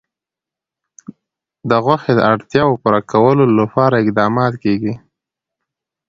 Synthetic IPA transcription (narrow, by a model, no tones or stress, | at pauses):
d̪əɣwaxed̪ə̰aɽt̪jɑwopuɾakawəlolapɑɾaɪqd̪ɑmɑt̪keɡi